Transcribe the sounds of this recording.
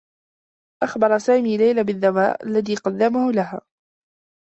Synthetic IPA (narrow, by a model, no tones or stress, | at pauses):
ʔaxbɑɾˤɑsaːmiːlajlabɪðːaba̰ːʔa̰lːaðiːqɑd̪ːamahʊlaɦaː